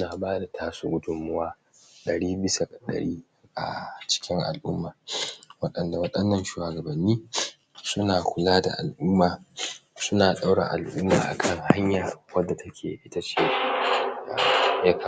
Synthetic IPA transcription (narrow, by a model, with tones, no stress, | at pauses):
ʔʊ˦naː˨baː˦da˨tʰaː˦suː˦ɡʊ˦dʊ˨mːʊ˦waː˦ | ɗɐ˨ɽiː˦bɪ˦sa˨kʼa˨ɗɐ̰˨ɽiː˦ | a̰˨t͡ʃɪ̥˦kʲɪ˦ŋʔa̰˨lʔʊ̰˦mːaː˨wɐ˦ɗɐ˨nda˨wɐ˦ɗɐ˦nːɐ˦nʃu˨aː˨ɡɐ˨bɐ˨nːiː˦ | sʊ˦naː˨kʷʊ˨laː˦da̰˨ʔa˨lʔʊ˦mːaː˨sʊ˦naː˨ɗa˦wɽa˨ʔa̰˨lʔʊ˦mːaː˨ʔa̰˨kʰɐ˦ŋha˦ɲjaː˨wɐ˦dːa˨tʰɐ˦kʲʰḛː˨ʔɪ˦ta˦t͡ʃeː˦ | a̰˨jɐ˦kʰa˨